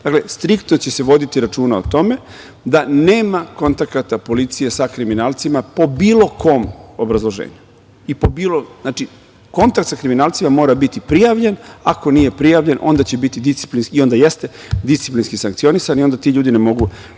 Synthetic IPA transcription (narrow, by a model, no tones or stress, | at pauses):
d̪akle̞st̪ɾikt̪not͡ɕe̞se̞ʋo̞d̪it̪iɾat͡ʃuːnaot̪o̞me̞ | d̪ane̞ːmako̞nt̪akat̪apo̞lit̪sijesakɾiminaːlˠt̪simapo̞bilˠo̞kʰo̞ːmo̞bɾazlˠo̞ʒḛːɲu | ipobiːloznaːt͡ʃi | ko̞nt̪akt̪sakɾiminaːlˠt̪simamo̞ːɾabit̪ipɾijaʋʎe̞nako̞niːje̞pɾijaʋʎe̞nʔo̞̰nd̪at͡ɕe̞bit̪id̪ist̪i̥plinskio̞nd̪ajest̪e̞ | d̪ist̪iplinskisaŋkt̪sio̞nisaniond̪at̪iʎuːd̪inemo̞ɡu